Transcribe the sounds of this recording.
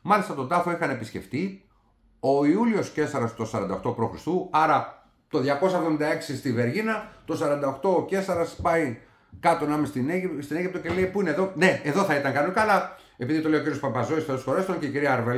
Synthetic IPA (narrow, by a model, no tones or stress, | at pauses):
mɐlist̪ɐt̪o̞d̪ɐfo̞ixɐne̞pisce̞̰ft̪i | o̞iulio̞sce̞sɐɾɐst̪o̞sɐɾɐ̰nd̪ɐoxt̪o̞pɾo̞xɾist̪uɐɾɐ | t̪o̞ðʝɐko̞s̬ɐevðomind̪ɐe̞ksist̪ive̞ɾʝinɐt̪o̞sɐɾɐnd̪ɐoxt̪o̞ce̞sɐɾɐspɐi | kɐt̪o̞nɐmist̪inst̪ine̞ʝip̚t̪o̞cele̞ipuine̞ðo̞ne̞eðo̞θɐit̪ɐŋkɐnukɐlɐ | e̞piðit̪o̞lejociɾiospɐbɐzoisθoðosxoɾest̪oŋceiciɾiɐːɾve